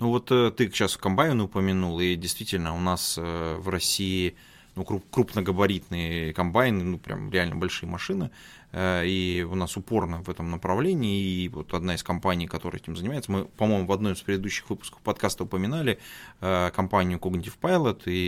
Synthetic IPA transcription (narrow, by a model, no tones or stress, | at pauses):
nuvo̞t̪ət̪ːɨkakɕaskɐmpajɪnɪʊpəmʲɪnulˠidʲɪjst̪vʲitʲɪlʲnəʊnasəvrɐsʲːiː | nukɾukɾupnəɡəbɐɾʲit̪nɨjəkɐmpajnɨnupɾʲʔa̰mɾʲɪalʲnə̰bɐlʲʂɨjəmɐʂɨnɨ | əiʊnasʊpo̞rnəvɛt̪əmnəpɾɐvlʲenʲɪːvo̰t̪ɐd̪naɪskɐmpanʲɪijkɐt̪o̞ɾə̰jɛtʲɪmzənʲɪmajɪt̪səmɨpɐmo̞jmʊvɐd̪nomɪspɾʲɪd̪ɪd̪uɕːɪ̥xvɨpʊ̥skə̥fpɐt̪kast̪əʊpəmʲɪnalʲɪəkɐmpanʲɪjʊkoɡnʲɪtʲɪfpajlˠət̪ʰi